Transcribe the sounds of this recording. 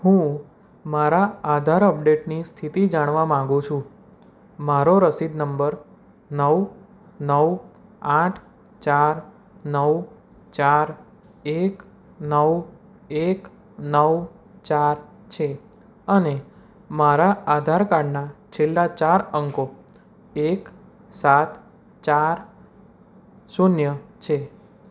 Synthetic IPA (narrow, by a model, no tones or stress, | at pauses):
ɦũ | maɾaːd̪ʱaɾəp̚ɖeʈnist̪ʰit̪id͡ʒaɽ̃ʋamãŋɡũt͡ʃʰũ | maɾoɾəsid̪nəmbəɾ | nəw | nəwãʈʰ | t͡ʃaɾ | nəw | t͡ʃaɾ | ek | nəw | ek | nəw | t͡ʃaɾ | t͡ʃʰe | əne | maɾaad̪ʱaɾkaɽnat͡ʃʰelːat͡ʃaɾəŋko | ek | sat̪ | t͡ʃaɾ | sunjət͡ʃʰe